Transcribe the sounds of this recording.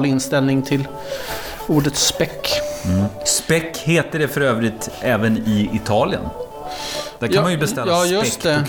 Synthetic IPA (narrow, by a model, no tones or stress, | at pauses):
lɪnst̪ɛlnɪŋt̪ʰɪl | uːɖət̪spɛkː | spɛkːheːt̪əɖɛfœɾøːvɾɪt̪ɛːvənɪɪt̪ʰɑːlɪə̰n | d̪̥æɾkʰnmanjɵbɛst̪ɛlɑːjɵstːɛ